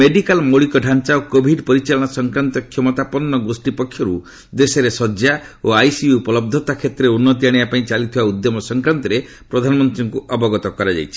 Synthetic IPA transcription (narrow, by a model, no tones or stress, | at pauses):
meɖikalmɔɭikɔɖʱant͡ʃaokobʱiɖpɔɾit͡ʃalɔɽ̃ɔsɔŋkɾant̪ɔkʰːjɔmɔt̪apɔnːɔɡusʈipɔkʰːjɔɾu | d̪esɔɾesɔd͡ʒa | oajsiuupɔlɔb̚d̪ʱɔt̪akʰet̪ɾeunːɔt̪̬iaɽ̃iapaĩt͡ʃalit̪ʰibaud̪jɔmɔsɔŋkɾant̪ɔɾe | pɾɔd̪ʱanɔmɔnt̪ɾiŋkuʔɔbɔɡɔt̪ɔkɔɾad͡ʒa̰jt͡ʃʰi̥